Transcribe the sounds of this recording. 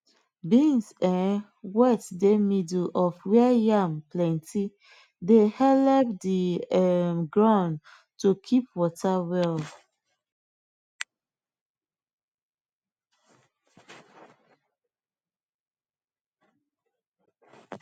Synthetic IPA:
bĩnsɛ̃n | wɛtdemidlʔɔfwɛjãmplɛ̃nti | dehɛlɛpdiɛmɡɹãʊ̃n | tukʰip̚wɔtawɛl

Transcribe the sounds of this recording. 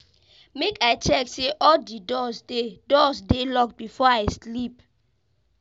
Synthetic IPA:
mekaɪt͡ʃɛkseʔɔldidɔsdedɔsdelɔkbifɔaɪslip

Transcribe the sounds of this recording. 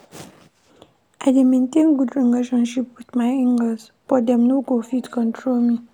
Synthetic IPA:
ʔaɪdemẽntẽnɡudɹileʃɔ̃nʃipwiθmaɪĩŋɡəs | fɔdɛ̃mnoɡofitkɔ̃ntʰɹolmi

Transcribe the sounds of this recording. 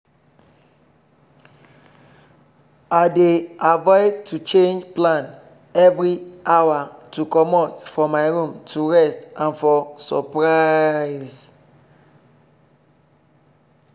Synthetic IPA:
aɪdeavɔɪdtʰut͡ʃẽnd͡ʒplãn | ɛvɹiʔawatʰukɔmɔtfɹɔmːaɪɹũmtʰuɹɛstʔãnfɔsɔpɹaɪs

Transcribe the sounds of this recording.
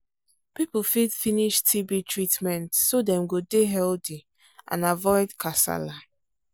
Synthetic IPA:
pipfidfiniʃtʰibitʰɹitmɛ̃ntsodɛ̃mɡodeɦɛldi | ʔã̰navɔɪdkʰasa̰la

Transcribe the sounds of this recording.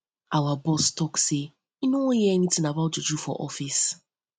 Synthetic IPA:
awabɔstɔkse | inõjɛɛnitĩnabaʊtːudufɔ̰ʔɔfis

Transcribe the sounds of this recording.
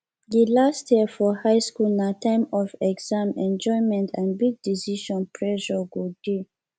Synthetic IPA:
jilastʰjiəfɔhaɪskulnatãɪ̃mɔfɛɡz̥ãmɛ̃nd͡ʒɔ̃ɪmɛ̃ntʰãnbiɡ̚disiʃɔ̃npʰɹɛʃɔɡud̚de

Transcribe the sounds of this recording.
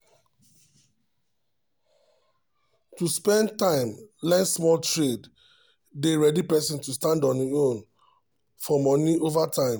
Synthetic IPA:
tuspɛ̃ntãɪ̃mlɛsmɔltɹed | deɹɛdipɛsĩntustãndɔ̃niõn | fɔmɔniʔovatãɪ̃m

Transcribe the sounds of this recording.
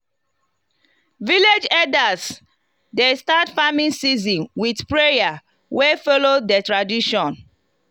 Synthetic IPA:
viled͡ʒɛdas | destatfamĩnsizĩnwidpɹeja | wefɔlodətɹadiʃɔ̃n

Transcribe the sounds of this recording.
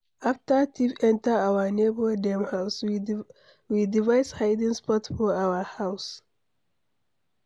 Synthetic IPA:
aftətʰifɛ̃ntəawənebədɛ̃mhaʊs | widivaɪshajdĩŋspɔtfɔawəhaws

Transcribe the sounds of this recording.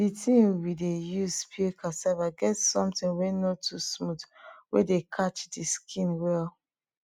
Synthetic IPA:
ditʰĩŋwidejuzpʰikʰasɛvaɡɛtsɔ̃mtĩnwenotʰusmutwedekʰat͡ʃdiskʰĩnwɛl

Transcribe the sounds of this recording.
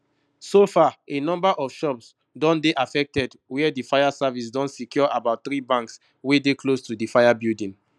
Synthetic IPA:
sofaenɔ̃mbaʔɔfʃɔps | dɔ̃ndeʔafɛk̚tɛd | wiɛdifajasavis̬dɔ̃nsikʰjɔʔabaʊt̚θɹibãŋks | wedekʰlostudifajabildĩn

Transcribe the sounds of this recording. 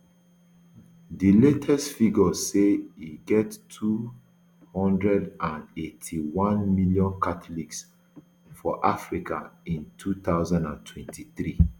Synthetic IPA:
diletʰɛstfiɡɔseiɡɛtːʰu | hɔ̃ndɹɛdãnetʰiwɔ̃nmiljɔ̃nkʰatʰɔliks | fɔʔafɹika̰ĩntʰutaʊzãndãntʰwɛ̃ntʰiθɹi

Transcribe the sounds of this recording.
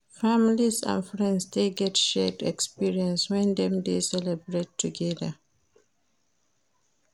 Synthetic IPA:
familizã̰nfɹɛ̃ndsdeɡɛtʃɛtɛkspiɹiɛ̃nswɛ̃nd̪ɛ̃md̪esɛlɛbɹetʰːuɡɛðə

